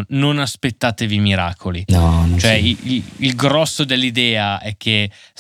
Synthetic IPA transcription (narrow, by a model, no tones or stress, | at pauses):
nonaspet̪ːaːt̪evimiɾa̰ːkʰolinɔ̃t͡ʃoɛiililɡɾɔsːod̪elːid̪ɛːaɛkʰːe